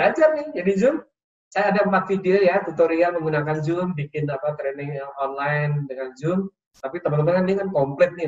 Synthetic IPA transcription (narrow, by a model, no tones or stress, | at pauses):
bad͡ʒarnɪhd͡ʒadid͡ʒʊm | sajaːdampat̪̚fideojat̪ut̪oɾiaməŋɡunakand͡ʒʊmbikɪnapat̪ɾɛnɪŋaɔnlajndəŋand͡ʒʊm | t̪apit̪əmat̪əmt̪akandikankɔmplɛk̪̚nɪ